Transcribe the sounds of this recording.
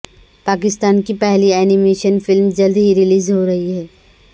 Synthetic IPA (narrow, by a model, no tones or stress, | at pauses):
paːk̬ɪst̪aːnkipɛɦliɛːnɪmeːʃənfɪlmd͡ʒɐld̪ɦiɾɪliːzɦoɾɐɦiɦɛː